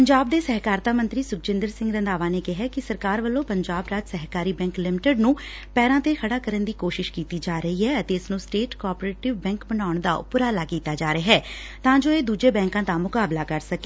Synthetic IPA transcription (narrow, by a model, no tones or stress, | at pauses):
pəɲd͡ʒaːb̚d̪eːsɛɦkaːɾt̪aːmə̃nt̪ɾiːsʊk̚t͡ʃɪ̃nd̪əɾsɪ̃ŋɡɾə̃nd̪aːʋaːneːkɪɦɛːkɪsəɾkaːɾʋəlːõːpəɲd͡ʒaːbɾaːd͡ʒsɛɦkaːɾiːbɛ̃ːŋklɪmɪʈəɖnũː | pɛːɾãːt̪eːkʰəɽaːkəɾənd̪iːkoːʃɪʃkiːt̪iːd͡ʒaːɾəɦiːɦɛːət̪eːɪsnũːsʈeːʈkɔːɾpɾeːʈɪʋbɛ̃ːŋkbənaːʊɳd̪aːʊ̰pʊɾaːlaːkiːt̪aːd͡ʒaːɾeaɦɛː | t̪ãːd͡ʒoːeːd̪uːd͡ʒeːbɛ̃ːŋkãːd̪aːmʊkaːblaːkəɾsəkeː